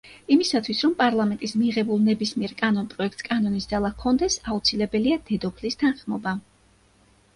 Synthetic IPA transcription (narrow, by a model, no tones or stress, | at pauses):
imisat̪ʰwisɾɔmpʼaɾlˠamɛnt̪ʼismiʁɛbulˠnɛbismiɛɾkʼanɔnpʼɾɔɛkʰt̪skʼanɔnisd̪zalˠakʰːɔnd̪ɛsaut̪sʰilɛbɛliad̪̥ɛd̪ɔpʰlist̪ʰanχmɔba